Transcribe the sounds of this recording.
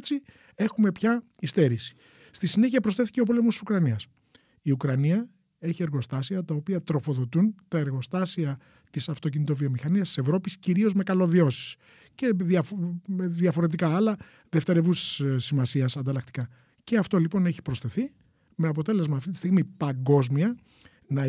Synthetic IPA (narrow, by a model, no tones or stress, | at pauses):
t͡si | e̞xume̞pçɐ | ist̪e̞ɾisi̥ | st̪isine̞çiɐpɾosθeθi̥ce̞o̞po̞lemost̪i̥sukɾɐniɐs | iukɾɐniɐ | e̞çie̞ɾɣo̞st̪ɐsiɐt̪ɐopiɐt̪ɾo̞fo̞ðo̞t̪unt̪ɐe̞ɾɣo̞st̪ɐsiɐ | t̪isɐft̪o̞c̬init̪̬o̞vio̞mixɐniɐst̪i̥se̞vɾo̞pisciɾio̞zme̞kɐlo̞ðio̞si̥s | ce̞ðiɐfðjɐfo̞ɾet̪̬ikɐɐlɐ | ðe̞ft̪eɾe̞vusi̥ssimɐsiɐsɐnd̪ɐlɐk̚t̪i̥kɐ | ce̞ɐft̪o̞lipo̞ne̞çi̥pɾo̞sθe̞θi | me̞ɐpo̞t̪e̞le̞zmɐːft̪it̪ist̪iɣmipɐŋɡo̞zmiɐ | nɐ